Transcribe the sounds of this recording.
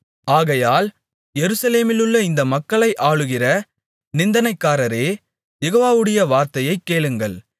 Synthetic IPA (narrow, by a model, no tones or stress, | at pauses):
aːɣɐjaːl | jɛɾɯsɐleːmɪlɯɭːɐɪnd̪ɐmɐkːɐɭɐɪʔaːɭɯɣɪrɐ | nɪnd̪ɐnɐɪkːaːɾɐɾeː | jɛɣoːʋaːʋɯɽɐjɐʋaːɾt̪ɐjɐɪkːeːɭɯŋɡɐɭ